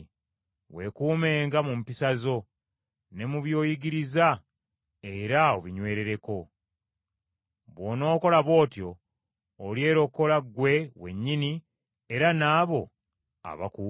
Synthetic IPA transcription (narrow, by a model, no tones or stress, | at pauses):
we̞kuːme̞ːŋɡamumpisazo̞ | ne̞muβjo̞ːjiɡiɾiza | e̞ɾaoβiɲwe̞ːɾe̞ɾe̞ko̞ | βwo̞ːno̞ːko̞laβwo̞ːtjo̞ː | lje̞ːɾo̞kːo̞laɡwe̞we̞̰ɲːini | e̞ɾanaːβo̞ | a̰βa̰ku